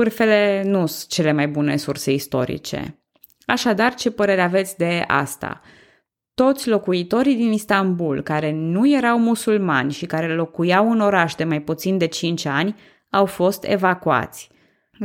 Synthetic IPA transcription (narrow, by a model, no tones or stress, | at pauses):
vɨrfe̞le̞nut͡ʃe̞le̞majbune̞̰surse̞ist̪o̞̰ɾḭt͡ʃe̞̰ | aʃad̪art͡ʃe̞pəɾe̞ɾeave̞t̪sʲd̪e̞a̰st̪a̰ | t̪o̞t̪sʲlo̞kuit̪o̞ɾid̪inist̪ambulkaɾe̞nuje̞ɾawmusulma̰nʲʃikaɾe̞lo̞kujawɨno̞ɾaʃd̪e̞majput̪sind̪e̞t͡ʃint͡ʃanʲ | awfo̞st̪ḛvakua̰t̪sʲ